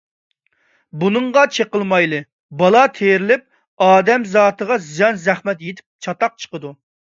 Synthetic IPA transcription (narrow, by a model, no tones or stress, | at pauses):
bunɨɴʁɑt͡ʃʰeqəlˠmɑjlˠɨ | bɑlˠɑt̪ʰeɾɪlɪp̚ | ɑːd̪ɛmzɑːt̪ʰəʁɑzijɑnzɛχmɛt̪jet̪ʰɪ̥p̚t͡ʃʰɑt̪ɑq̚t͡ʃʰə̥qəd̪u